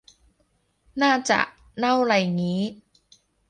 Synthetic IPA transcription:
naː˥˩t͡ɕa̰˨˩ʔ | na˥˩wɾa˧jŋiː˦˥

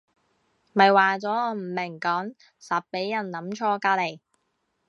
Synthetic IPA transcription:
mɐ˨jwaː˨t͡sɔː˨˥ŋɔː˨˧m̩˨˩mɪ˨˩ŋkɔː˨˥ŋ | sɐ˨pːe˨˥jjɐ˨˩nlɐ˨˥mt͡ʃʰɔː˧kaː˧le˨˩j

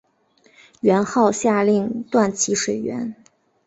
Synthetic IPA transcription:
ɥɛ˧˥nxɑ˥˧ʊɕja˥˧li˥˧ŋt̪wa˥˩nt͡ɕʰi˧˥ʂwe˨˩ɪɥɛ̰˧˥n

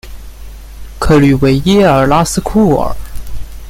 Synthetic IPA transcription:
kʰɤ˧˩ly˨˩we˧˥ɪjɛ˥ə˞˨˩la˥sɹ̩˥kʰu˥˩ə̰˨˩˦

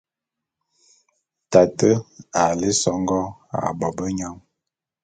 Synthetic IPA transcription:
ta˨tə˦a˨li˦sɔ˨ŋ˦ɡɔ˦a̰˨bɔ˨bə˦ɲa˦ŋ

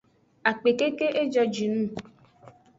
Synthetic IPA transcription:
a˨k͡pe˨ke˦ke˦ʔe˦d͡ʒɔ˧d͡ʒi˨nũ˦˨

